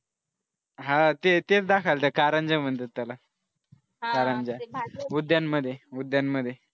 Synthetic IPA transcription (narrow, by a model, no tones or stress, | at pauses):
ɦãt̪et̪et͡sd̪akʰalt̪akaɾãɲd͡ʑamənd̪ət̪ːala | kaɾaɲd͡ʑaud̪jammːəd̪ʱːjeud̪jamməd̪ʱːje